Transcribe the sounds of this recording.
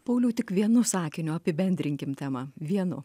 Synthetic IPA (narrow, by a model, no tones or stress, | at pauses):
pɐʊlʲuːt̪ʲɪkʋʲiɛnʊsɑːkʲɪnʲʊɐpʲɪbʲɛnʲd̪ʲɾʲɪŋʲkʲɪmt̪ʲæːmɐʋʲiɛnʊ̰